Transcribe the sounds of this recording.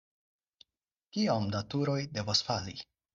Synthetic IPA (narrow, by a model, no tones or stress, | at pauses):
kiamdatuɾo̞jde̞vasfali